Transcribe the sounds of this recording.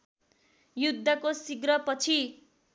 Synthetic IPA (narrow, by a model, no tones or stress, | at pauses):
jud̪ʱːʌkosiɡɾʌpʌt͡sʰi